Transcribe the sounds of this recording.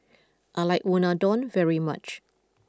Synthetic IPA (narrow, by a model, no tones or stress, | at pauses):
ʔaɪlaɪkwɔ̃nadɔ̃nvɛɹimat͡ʃ